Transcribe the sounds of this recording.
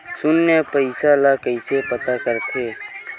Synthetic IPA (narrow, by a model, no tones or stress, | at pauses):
sʊnːepəɪsalakəɪsepət̪akəɾt̪ʰeː